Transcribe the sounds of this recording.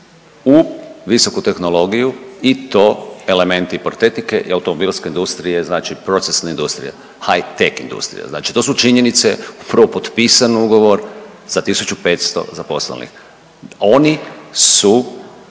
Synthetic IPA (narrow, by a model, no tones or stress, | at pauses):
uʋiso̞kut̪e̞xno̞lo̞ɡijuit̪o̞e̞le̞mẽ̞nt̪ipoɾt̪et̪ike̞ʔḭawt̪omobilskeind̪ust̪ɾijeznaːt͡ʃipɾo̞t̪sesnaind̪ust̪ɾḭja̰ | hajt̪ekḭnd̪ṵst̪ɾḭja̰zna̰ːt͡ʃi̥t̪o̞ːsut͡ʃiɲe̞nit̪seupɾʋopo̞t̪piːsanuɡo̞ʋo̞ɾ | z̥at̪isut͡ʃupe̞t̪st̪o̞̰zapo̞slḛnḭx | o̞nisu